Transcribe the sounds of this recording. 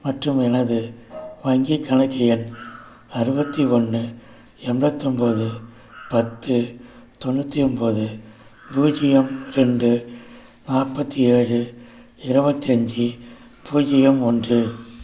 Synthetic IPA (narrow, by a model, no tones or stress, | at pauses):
mɐʈrɯmɛnɐðɯʋɐŋɡikːɐɳɐkːɐjɐn | ɐɾɯbɐt̪ːiɔɳːɯ | ɛmrɐt̪ːɯmpoːðɯ | pɐt̪ːɯ | t̪ɔnːɯt̪ːiɔmboðɯ | buːd͡ʒɪjɐmɾɛɳɖɯ | naːɾpɐt̪ːieːɻɯ | ɪɾɯbɐt̪ːiɐɲd͡ʒɯ | buːd͡ʒɪɣɐmɔndrɯ